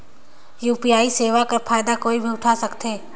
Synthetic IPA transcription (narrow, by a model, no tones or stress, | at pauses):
juːpijaːiseːʋakɐɾpʰaːjd̪akoːibʱiʊʈʰasɐkt̪eː